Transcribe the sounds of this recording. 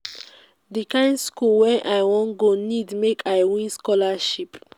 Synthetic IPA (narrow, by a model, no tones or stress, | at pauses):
dikãɪ̃nskulwɛ̃nʔajwɔ̃nɡonidmekʰajwĩskɔlaʃip